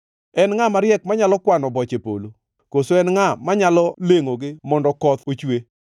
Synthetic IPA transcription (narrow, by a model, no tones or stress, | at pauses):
ɛnŋamaɾjɛkmaɲalɔkwanɔbɔt͡ʃepo̰lo | kosoɛnŋamaɲalɔleŋoɡɪmɔndɔkɔt̪ot͡ʃwe